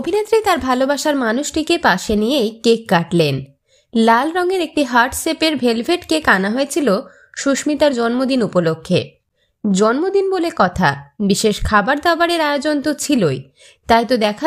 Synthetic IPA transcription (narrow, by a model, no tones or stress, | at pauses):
obʱinet̪ːɾet̪aɾbʱalobaʃaɾmanuʃʈikepaʃenijejkekːaʈlen | lalɾɔŋeɾek̚ʈiɦaɾʈsepeɾbʱelbʱeʈkekanaɦoet͡ɕʰilo | ʃuʃmit̪aɾd͡ʑɔnmod̪inupolokʰːḛ | d͡ʑɔnmod̪inbolekɔt̪ʰa̰biʃeʃkʰabaɾd̪abaɾeɾaeod͡ʑont̪ot͡ɕʰiloj | t̪ajt̪od̪ɛkʰa